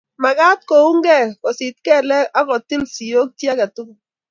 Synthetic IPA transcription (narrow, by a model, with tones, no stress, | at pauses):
ma˨ɡa˦t̚ko˨u˦ŋ˦ɡɛ˦kɔ˨si˨t̚kɛ˦˨lɛ˦a˦kɔ˨ti˦lsi˨jo˦k̚tja˦ka˨tu˦k